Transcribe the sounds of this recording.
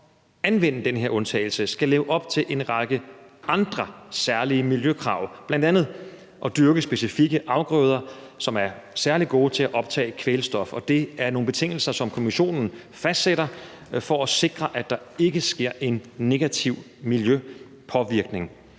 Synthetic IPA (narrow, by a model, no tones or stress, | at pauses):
ænʋen̰̩d̥enɦe̝ɐɔ̽nt͡sʰɛ̰ːɪl̩səsɡ̥æleːʊəʔɒ̽b̥t͡sʰe̝lʔe̝nʁɑɡ̥əʔɑ̈nd̥ʁɐsæɐliəmiljøkʰʁɑ̈ʊb̥lænd̥ænð̞̩ˠ | ʔɒ̽d̥yɐɡ̥əsb̥e̝sifiɡ̥əʔɑ̈ʊɡ̥ʁœːð̞ˠɐ | sɒ̽mæɐ | sæɐlidɡ̥o̝̰ːt͡sʰe̝læʔɒ̽b̥t͡sʰɛ̰ːkʰʋelsd̥ɒ̽fɒ̽d̥e̝æɐno̝ːnb̥e̝t͡sʰe̝ŋ̰l̩sɐsɒ̽mkʰo̝miɕo̝̰ːnn̩ | fæsd̥seɾ̥ɐ | fɒæse̝ɡ̥ʁɐʔæd̥ɑ̈e̝ɡ̥əsɡ̥e̝ɐ̰ʔe̝nːe̝ɡ̥æt͡sʰiʊ̰ | miljø | pʰɒ̽ʋiɐɡ̥ne̝ŋ